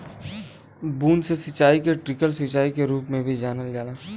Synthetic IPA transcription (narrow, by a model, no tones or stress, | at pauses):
buːnsesɐt͡ʃaːikeʈɾɪkəlsɐt͡ʃaːikeɾuːpmẽbʱid͡ʒaːnəld͡ʒaːlaː